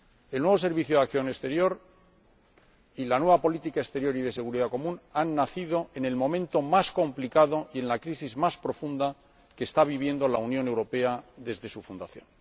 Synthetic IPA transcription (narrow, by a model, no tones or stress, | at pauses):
elnwe̞βo̞se̞ɾβiθjoðakθjo̞nest̪e̞ɾjo̞ɾ | ilanwe̞βapo̞lit̪ikaest̪e̞ɾjo̞ɾiðe̞se̞ɣuɾiðako̞mũnanːaθiðo̞ʔe̞ne̞lmõ̞mẽ̞nt̪o̞masko̞mplikaðo̞ie̞nlakɾisizmaspɾo̞fund̪a | ke̞ːst̪aβ̞iβ̞je̞nd̪o̞launjone̞wɾo̞pe̞aðe̞zðe̞sufund̪aθjõ̞̰n